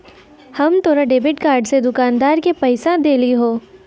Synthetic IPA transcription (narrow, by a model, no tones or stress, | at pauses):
hɐmt̪oːɾaɖeːbɪʈkaːɾɖsed̪ʊkaːnd̪aːɾkepɐɪsãd̪eːliɦoː